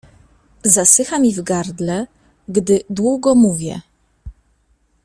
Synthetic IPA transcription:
zasɘxamʲivɡaɾd̪lɛ | ɡd̪ɘd̪wuɡɔmuvʲjɛ̰

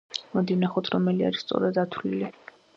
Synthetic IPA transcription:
mɔd̪ivnaχɔt̪ʰɾɔmɛlia̰ɾist̪sʼɔ̰ɾad̪at̪ʰlili

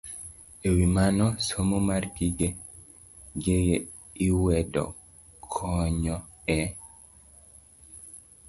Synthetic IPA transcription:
ewimanɔsomomarɡiɡe | ɡeɡe | iwɛdɔ̰ | kʰɔɲɔ | ɛ

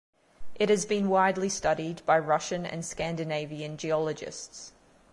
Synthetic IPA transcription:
ʔɪt̚hɨzbĩnwaɪdˡlistʌɾid̚baɪɹʌʃɨ̃nɨ̰̃nskæ̃ndɨneɪviɨ̃nd͡ʒiɒlˠəd͡ʒɪ̰sts

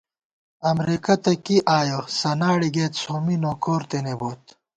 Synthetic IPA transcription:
ɐmɾikɐt̪ɐkiʔaːjosɐnaːɽiɡeːt̪soːminoːkoːɾt̪eneboːt̪

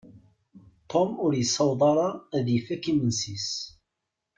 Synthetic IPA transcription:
t̪ʰˤomʊɾjəsːɑwðˤɑɾˤɑðjəfækimənsis

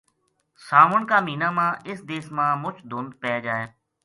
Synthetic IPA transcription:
saːʋəɳkaːmiːnaːmãːʔɪsd̪eːsmãːmʊt͡ʃʰd̪ʊnd̪̚pɛːd͡ʒaːeː

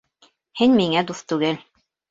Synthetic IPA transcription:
hɘnʲmiŋæd̪uθt̪ʉɡɘl

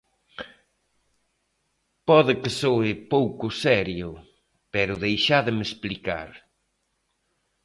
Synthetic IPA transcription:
pɔðɪkɪsoɪpowkʊsɛɾjʊ | pɛɾʊðejʃaðɪmesplika̰ɾ

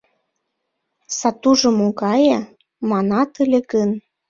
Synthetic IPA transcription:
sɑt̪uʒɤ̆moɣɑjɑ | mɑnɑt̪əlʲĕkən

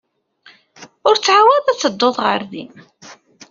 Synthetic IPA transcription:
ʊɾt͡sːʕawæðˤæt͡sːəd̪ːoðˤʁə̰ɾðḭm

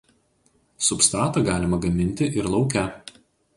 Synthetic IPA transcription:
sʊpst̪ɾɑːt̪ɑɡɑːlʲɪmɐɡɐmʲɪnʲt̪ʲɪʔɪɾlˠɒʊkʲɛ

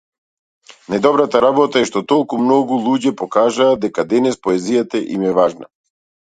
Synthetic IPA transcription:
najd̪ɔbɾat̪aɾabɔt̪aɛʃt̪ɔt̪ɔlˠkumnɔɡulˠuɟɛpɔkaʒaːd̪ɛkad̪ɛnɛspɔɛzijat̪aʔimɛvaʒna̰

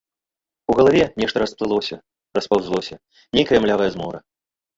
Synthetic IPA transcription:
uɣɐlˠavʲɛnʲɛʂt̪ɐɾɐsplˠɨlˠɔsʲɐ | rɐspawzlˠɔsʲɐ | nʲejkɐjɐmlʲavɐjɛzmɔɾɐ

